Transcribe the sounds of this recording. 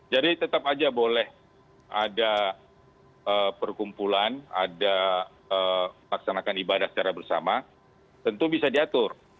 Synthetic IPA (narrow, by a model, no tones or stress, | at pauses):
d͡ʒadit̪ət̪apad͡ʒabolɛh | a̰da | əpərkumpulana̰da | əməlaksanakanibadahsə̥t͡ʃaɾahbərsa̰ma | t̪ənt̪ubisadiat̪ʊr